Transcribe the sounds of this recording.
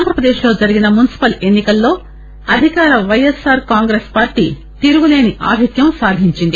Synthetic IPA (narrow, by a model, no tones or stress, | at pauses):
nd̪ɾɐpɾɐd̪e̞ːʃlo̞ːd͡ʒɐɾiɡinɐmunisi̥pɐle̞nːikɐlːo̞ː | ɐd̪ʱikaːɾɐʋɐjesaːɾkaːŋɡɾespaːɾʈḭː | t̪iɾuɡule̞ːniʔa̰ːbʱikjɐmsaːd̪ʱiɲt͡ʃind̪i